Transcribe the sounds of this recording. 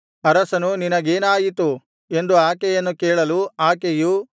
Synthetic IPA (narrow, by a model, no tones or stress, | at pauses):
ɐɾɐsɐnuninɐɡeːnaːjit̪u | e̞nd̪uaːkejɐnːukeːɭɐluaːkeju